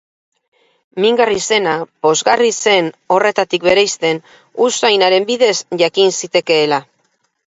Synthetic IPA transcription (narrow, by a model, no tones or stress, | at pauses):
miŋɡarise̞napo̞zɣarise̞no̞re̞t̪at̪ikβe̞ɾajst̪e̞n | usajnaɾe̞mbiðe̞sʝakinsit̪e̞ke̞ːla